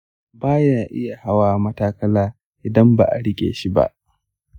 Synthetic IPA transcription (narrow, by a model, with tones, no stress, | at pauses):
baː˦jaː˨ʔɪ˦ja˨ha˦waː˨mɐ˦taː˦kɐ˦laː˦ | ʔɪ˨dɐ˦mba̰˨ʔa̰˨ɽɪ˦kʲʼḛː˨ʃi˦ba̰˦ʔ